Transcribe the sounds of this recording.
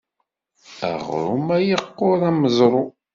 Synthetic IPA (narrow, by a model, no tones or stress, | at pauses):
æ̰ʁɾṵmæjəqːʊɾˤæməzˤɾˤo